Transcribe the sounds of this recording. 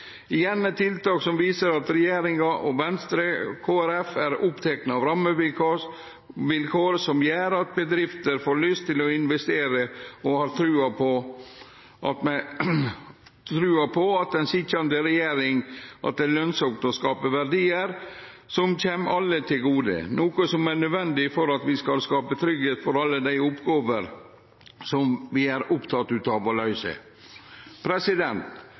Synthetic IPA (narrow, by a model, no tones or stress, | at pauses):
ɪjɛnːɛt̪ʰɪlt̪ɑːksɔmʋiːsəɾɑt̪ɾɛjeːɾɪŋɑʔɔʋɛnst̪ɾəkʰoːæɾɛfæɾʊpt̪ʰɛknəɑʋɾɑmːəʋɪ | ʋɪlkʰoːɾsɔmjæːɾɑt̪̚bəd̪ɾɪft̪əɾfoːɾɭʏst̪ʰːɪlɔɪnʋɛst̪eːɾəɔhɑːɾt̪ʰɾʉːɑpʰɔ | ʔɑt̪mɛ | t̪ʰɾʉːɑpʰɔɑt̪̚d̪ɛnsɪkːɑnd̪əɾɛjeːɾɪŋʔɑ̰t̪̚d̪ɛlœnsɔkt̪ɔskɑːpəʋæɾɖiːəɾ | sɔmçɛːmʔɑlːət̪ʰɪlɡuːd̪ə̰noːkəsɔmæɳœd̪ʋɛnd̪ɪfɔɾɑt̪ʋɪskɑlskɑːpət̪ʰɾʏɡheːt̪fɔɾɑlːəd̪æɪʊpɡoːʋəɾ | sɔmʋɪæɾʊpt̪ʰɑt̪ːʉːt̪ɑʋolɑʉsə̰ | pʰɾɛsɪd̪ɛnt̪